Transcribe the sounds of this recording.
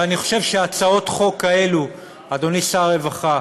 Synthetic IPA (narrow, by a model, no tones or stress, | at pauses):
aniχo̞̥ʃe̞vʃeat͡sao̞tχo̞kːae̞lu | ad̪o̞nisaʁe̞vaχa